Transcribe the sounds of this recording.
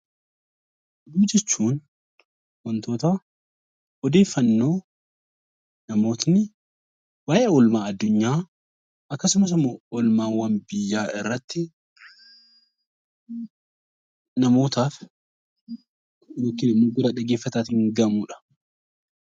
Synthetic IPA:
ʔɛd̪uːd͡ʒɛt͡ʃːuːn | wɔnt̪o̞ːt̪a | ɔd̪e̞ːfːɐnːo̞ː | nɐmo̞ːt̪nɪ | waːʔeʊlmaːɐd̪ːʊɲːaː | ɐkːɐsʊmɐs̬ʊmɐɔlmaːwɐnbɪjːaːʔɪrːɐt̪ːɪ | nɐmo̞ːt̪aːf | joːkːɪnɪmːoːɡʊd̪aᶑɐɡeːfːɐt̪aːt̪ɪŋɡɐmuᶑɐ̥

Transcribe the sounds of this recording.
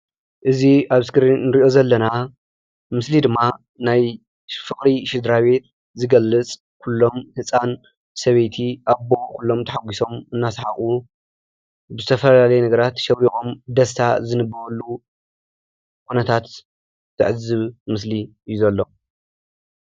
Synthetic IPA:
ʔɨziaβɨskɨɾinɨɾiʔo̞zɐlːɐna | mɨslid̪ɨmːa | naj | fɨχʼɾiʃɪd̪ɾaβe̞t̪ | zɨɡɐlːɨt͡sʼ | kʰulːo̞mhɨsʼan | sɐβejt̪ʰiʔabo̞kʰulːo̞mt̪ʰɐħaɡʷiso̞mɨnːasħaχʼu | bɨzɨt̪ʰɐfɐlalɐjenɐɡɐɾat̪ʃɐwiʔomd̪ɐst̪ʰazɨnɨbɐwɐlːu | kʰunɐt̪ʰat̪ | t̪ʰɨʕɨzɨβmɨsliɨjːuzɐlːo̞

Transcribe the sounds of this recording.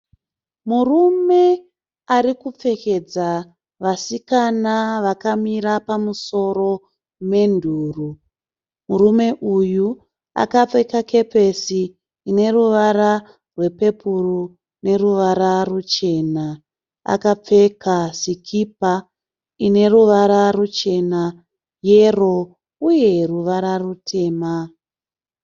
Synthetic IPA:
murume̞ | arikup͡fe̞ke̞d͡za | ʋasikanaʋakamiɾapamuso̞ro̞ | me̞ndʱuːru | murume̞ʔuju | a̰kap͡fe̞kakʰe̞pe̞siː | ne̞ruʋaɾa | rwe̞pe̞puru | ne̞ruʋaɾarut͡ʃe̞na | a̰kap͡fe̞kasikʰipa | ine̞ruʋaɾarut͡ʃe̞na | je̞ro̞ | uje̞ruʋaɾarutʰe̞ːma

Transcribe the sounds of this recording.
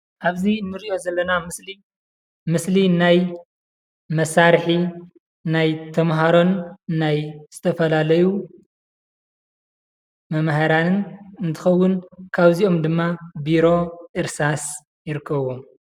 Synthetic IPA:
ʔaβziɨnːɨɾiʔo̞zɐlːɐnaɨsli | mɨslinaj | mɐsaɾħi | najt̪ʰɐmɦaɾo̞nːajz̥ɨt̪ʰɐfɐlalɐju | mɐmhaɾanɨnɨnt̪ʰɨxɐwːʊnkʰaβzio̞md̪ɨmːabiɾo̞ʔɨɾsas | jɪɾɨkʰːɐβom

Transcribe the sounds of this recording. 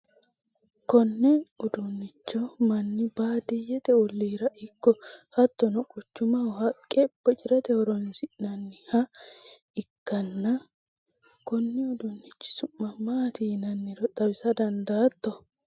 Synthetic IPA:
kɔnːɛɔd̪ʊnːɪt͡ʃːɔmɐnːɪbaːd̪ɪjɛt̪ɛɔlːiːɾɐʔɪkːɔhɐt̪ːɔnɔkʼʊt͡ʃːʊmɐɔhɐkʼːɛb̥ːɔt͡ʃʼɪɾɛt̪ɛhɔɾɔnsɪnɐnːɪhɐ | ɪkːɐnːɐ | kɔnːɪɔd̪ʊnːɪt͡ʃːɪ̥sʊmːɐmaːt̪iːnɐnːɪɾɔt̪ʼɐbɪsɐd̪ɐnd̪aːt̪ːɔ

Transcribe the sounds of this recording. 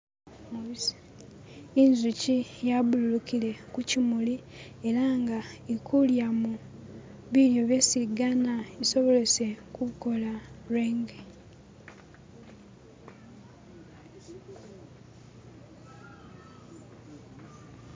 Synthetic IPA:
inzucijaβululukile̞kucimuli | e̞ɾaŋɡaikʰuljamu | βiɾjoβesiɡanaiso̞βo̞le̞se̞kuuko̞laɾeːŋɡe

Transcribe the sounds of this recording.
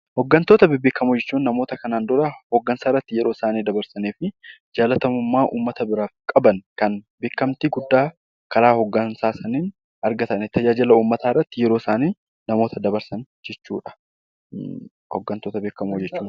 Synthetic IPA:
hɔɡːɐnt̪oːt̪ɐbɪbeːkːɐmod͡ʒɛt͡ʃːuːnːɐmo̞ːt̪ɐkɐnaːnd̪ʊɾɐhɔɡːɐnsaːɪrːɐt̪ːɪjɛɾo̞ːsaːniːd̪ɐbɐɾsɐneːfɪd͡ʒaːlɐt̪ɐmʊmːaːʔṵːmːɐt̪ɐbɪɾaːkʼɐbɐnkɐnbe̞ːkːɐmt̪iɡʊd̪ːaː | kɐɾaːhɔɡːɐnsaːsɐniːn | ɐɾɡɐt̪ɐnɛt̪ʰːɐd͡ʒaːd͡ʒɪlɐuːmːɐt̪aːɪrːɐt̪ːɪjɛɾo̞ːsaːniː | nɐmoːt̪ɐd̪ɐbɐɾsɐnd͡ʒɛt͡ʃːṵːᶑɐ̥ | hɔ̰ɡːɐnt̪oːt̪ɐbeːkːɐmoːd͡ʒɛt͡ʃːuːn

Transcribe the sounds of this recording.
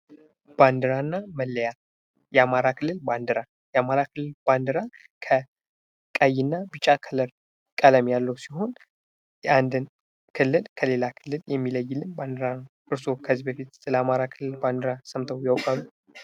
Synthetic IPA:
b̥and̪ɨɾanːaməlːəja | jɛamaɾakʰɨlːɨlband̪ɨɾa | jɛamaɾakʰɨlːɨlb̥and̪ɨɾa | kʰə | kʼajɪnːabɨt͡ʃʼːakʰələɾ | kʼələmjalːəwsiɦo̞n | jɛʔand̪ɨn | kʰɨlːɨlkʰəle̞lakʰɨlːɨljɛmːiləjːɪlːɨnband̪ɨɾanʔɨɾso̞kʰəzːibəfit̪sɨləamaɾakʰɨlːɨlband̪ɨɾasəmt̪ʰəwjawkʼamu

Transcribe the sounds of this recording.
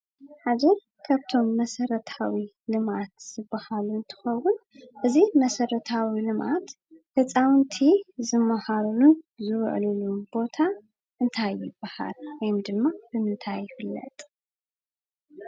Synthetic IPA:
ħad͡ʒ̪ɐ | kʰaβt̪ʰo̞mːɐsɐɾɐt̪ʰawi | lɨmat̪z̥ɨbːahaluɨnt̪ʰɨ̥xɐwʊn | ʔɨzimɐsɐɾɐt̪ʰawilɨmʔat̪ | hɨt͡sʼawnt̪ʰizɨmːahaɾluzɨw̰ʕlulubo̞t̪ʰa | ʔɨnt̪ʰajːɪb̥ːaha̰lwɔjmd̪ɨmːab̥ɨmɨnt̪ʰajːɪfɨlːɐ̰t̪ʼ

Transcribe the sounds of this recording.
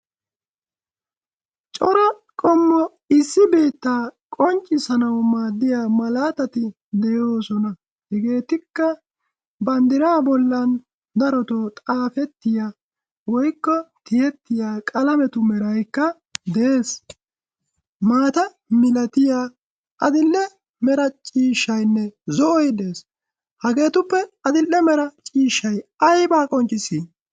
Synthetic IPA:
t͡ʃʼɔɾɐ | kʼɔmːɔ | ɪsːɪbe̞ːt̪ːaːkʼɔnt͡ʃʼːɪsɐnɐwmaːd̪ːɪjaːmɐlaːt̪ɐt̪ɪ | d̪ɛjoːsɔnɐ | hɛɡe̞ːt̪ɪkːɐ | bɐnd̪ɪɾaːbɔlːɐn | d̪ɐɾɔt̪oːt̪ʼaːfɛt̪ːɪja | wɔjkːɔt̪ɪjɛt̪ːɪjaːkʼɐlɐmɛt̪ʊmɛɾɐjkːɐ | d̪ɛeːs | maːt̪ɐ | mɪlɐt̪ɪjaː | ʔɐd̪ɪlːɛ | mɛɾɐt͡ʃʼiːʃːɐjnːɛzɔʔɔjd̪e̞ːs | hɐɡe̞ːt̪ʊpːɛɐd̪ɪlːɛmɛɾɐt͡ʃʼiːʃːɐjɐjbaːkʼɔnt͡ʃʼːɪsiː

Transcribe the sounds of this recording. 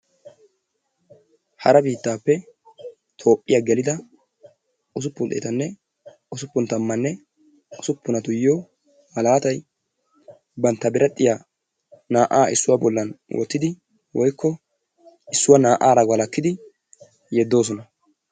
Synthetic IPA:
hɐɾɐbiːt̪ːaːpːɛ | t̪ʰo̞ːpʼːɪjaɡɛlɪd̪ɐ | ʊs̬ʊpːʊnd̪eːt̪ɐnːɛ | ʊsʊpːʊnt̪ɐmːɐnːɛ | ʊsʊpːʊnɐt̪ʊjːoː | mɐlaːt̪ɐj | bɐnt̪ːɐbɪɾɐt̪ʼːɪja | naːʔaːʔɪsːʊwaːbɔlːɐnwʔɔ̰t̪ːɪd̪ɪ | wɔjkːɔ | ɪsːʊwanaːʔaːɾɐɡɐlɐkːɪd̪ɪ | jɛd̪ːo̞ːs̬ɔnɐ

